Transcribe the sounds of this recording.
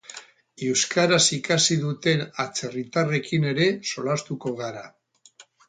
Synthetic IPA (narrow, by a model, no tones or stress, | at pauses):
ewskaɾasikasiðut̪e̞nat͡se̞rit̪are̞kine̞ɾe̞so̞last̪uko̞ɣaɾa